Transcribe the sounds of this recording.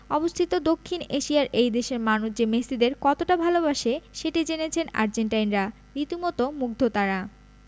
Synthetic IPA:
ɔbost̪ʰit̪od̪okʰːineʃiaɾʔejd̪eʃeɾmanuʃd͡ʑemesid̪eɾkɔt̪oʈabʱalobaʃeʃeʈid͡ʑenet͡ɕʰena̰ɾd͡ʑeɳʈajnɾa | ɾit̪umɔt̪omuɡ̚d̪ʱot̪aɾa

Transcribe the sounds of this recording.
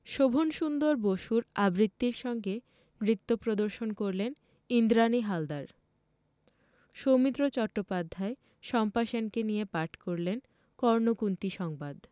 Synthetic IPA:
ʃobʱonʃund̪oɾboʃuɾabɾit̪ːiɾʃɔŋɡe | mɾit̪ːopɾod̪oɾʃonkoɾlen | ind̪ɾaniɦald̪aɾ | ʃomit̪ɾot͡ɕɔʈːopad̪ʱːae | ʃɔmpaʃenkenijepaʈʰkoɾlen | kɔɾnokunt̪iʃɔŋbad̪

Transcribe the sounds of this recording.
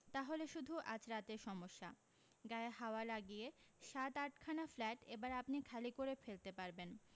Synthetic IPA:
t̪aɦoleʃud̪ʱuʔa̰d͡ʑɾat̪eɾʃɔmoʃːa | ɡaehaoalaɡijeʃat̪aʈkʰanaflɛʈebaɾapnikʰalikoɾefelt̪epaɾben

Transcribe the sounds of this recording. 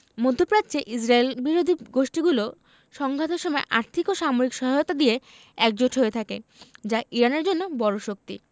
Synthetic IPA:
mod̪ʱːopɾadt͡ɕeʔis̬ɾaelbiɾod̪ʱiɡoʃʈiɡulo | ʃɔŋbʱat̪eɾʃɔmɔeʔa̰ɾt̪ʰikoʃamoɾikʃɔɦajot̪ad̪ie | ɛk̚d͡ʑoʈɦoet̪ʰakḛd͡ʑaʔiɾaneɾd͡ʑonːobɔɾoʃok̚t̪ḭ

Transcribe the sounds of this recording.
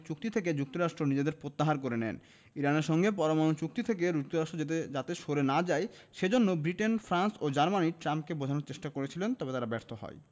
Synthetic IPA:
t͡ɕuk̚t̪it̪ʰek̬ed͡ʑuk̚t̪oɾaʃʈɾonid͡ʑed̪eɾpɾot̪ːaɦaɾkoɾenɛ̰n | iɾaneɾʃɔŋɡep̬ɔɾamanot͡ɕuk̚t̪it̪ʰek̬eɾuk̚t̪oɾaʃʈɾod͡ʑet̪̬ed͡ʑat̪eʃoɾenad͡ʑae | ʃed͡ʑonːobɾiʈenfɾansod͡ʑaɾmaniʈɾamp̚kebod͡ʑʱanoɾt͡ɕeʃʈakoɾet͡ɕʰilent̪ɔbet̪aɾabɛɾt̪ʰoɦɔ̰e

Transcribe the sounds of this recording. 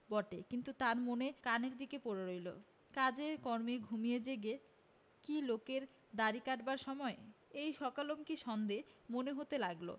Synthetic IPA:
bɔʈekint̪ut̪aɾmonekaneɾd̪ikepoɾeɾojlo̰ | kad͡ʑekɔɾmiɡʱumijed͡ʑeɡe | kilokeɾ | d̪aɾikaʈbaɾʃɔmɔeejʃɔkalomkiʃɔnd̪emoneɦot̪elaɡlo̰

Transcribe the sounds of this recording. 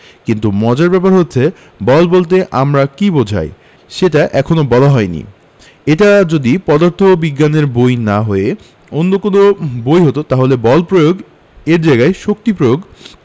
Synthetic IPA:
kint̪umɔd͡ʑaɾbɛp̬aɾɦot̪ːɕʰe | bɔlbolt̪̬eʔamɾakibod͡ʑʱa̰j | ʃeʈaʔɛkʰonobɔlaɦɔenḭ | eʈad͡ʑod̪ipɔd̪aɾt̪ʰobiɡːaneɾbojnaɦoe | onːokonobojɦot̪ot̪aɦolebɔlpɾojoɡ | eɾd͡ʑaɡaeʃok̚t̪ipɾojoɡ

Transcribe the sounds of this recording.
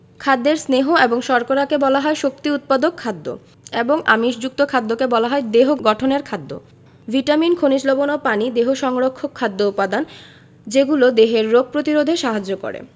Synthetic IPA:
kʰad̪ːeɾsneɦoeboŋʃɔɾkoɾakebɔlaɦɔeʃokt̪iut̪̚pad̪okʰːad̪ːo̰ | eboŋa̰miʃd͡ʑuk̚t̪okʰad̪ːokebɔlaɦɔed̪eɦoɡɔʈʰoneɾkʰad̪ːo̰ | vʱiʈaminkʰonid͡ʑlobonopanid̪eɦoʃɔŋɾokʰːokʰːad̪ːoupːad̪an | d͡ʑeɡulod̪eɦeɾːoɡ̚ʱpɾot̪iɾod̪ʱeʃaɦad͡ʑːoko̰ɾḛ

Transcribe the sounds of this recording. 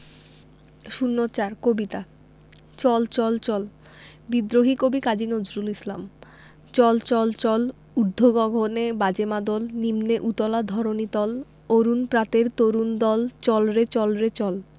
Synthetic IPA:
ʃunːot͡ɕaɾkobit̪a | t͡ɕɔlt͡ɕɔlt͡ɕɔl | bid̪ɾoɦikobikad͡ʑinod͡ʑɾulisla̰m | t͡ɕɔlt͡ɕɔlt͡ɕɔl | ud̪ʱoɡɔɡʱonebad͡ʑemad̪olnimneʔut̪ɔlad̪ʱɔɾonit̪ɔl | oɾunpɾat̪eɾt̪oɾund̪ɔlt͡ɕɔlɾet͡ɕɔlɾet͡ɕɔl

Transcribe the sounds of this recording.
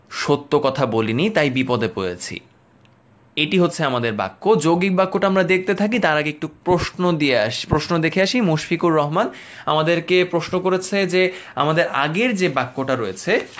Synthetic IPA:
ʃot̪ːokɔt̪ʰabolinit̪ajbipɔd̪epojḛt͡ɕʰḭ | eʈiɦot̪ːɕʰeamad̪eɾba̰kːod͡ʑoɡik̚bakːoʈaamɾad̪ek̚ʰt̪et̪ʰak̬it̪aɾakeek̚ʈupɾoʃnod̪ieaʃpɾoʃnod̪ekʰeaʃimoʃfʰikuɾːɔɦman | amad̪eɾkepɾoʃnokoɾet͡ɕʰed͡ʑea̰mad̪eɾa̰ɡeɾd͡ʑebakːoʈaɾojet͡ɕʰe

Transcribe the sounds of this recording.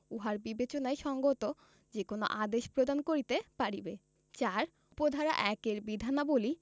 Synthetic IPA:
uɦaɾbibet͡ɕonajʃɔŋɡot̪o | d͡ʑekono̰ʔad̪eʃpɾod̪ankoɾit̪epaɾibe | t͡ɕaɾ | pod̪ʱaɾa̰ʔɛkeɾbid̪ʱanaboli

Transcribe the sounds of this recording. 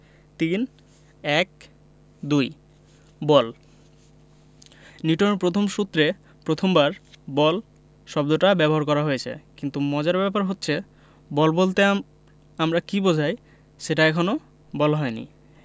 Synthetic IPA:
t̪in | ɛk̚ | d̪uj | bɔl | niʈoneɾpɾot̪ʰomʃut̪ːɾe | pɾot̪ʰombaɾbɔl | ʃɔbd̪oʈabɛboɦaɾkɔɾaɦojet͡ɕʰḛkint̪umɔd͡ʑaɾbɛpaɾɦotːɕʰe | bɔlbolt̪e | amɾakibod͡ʑʱaj | ʃeʈaɛkʰono | bɔlaɦɔenḭ

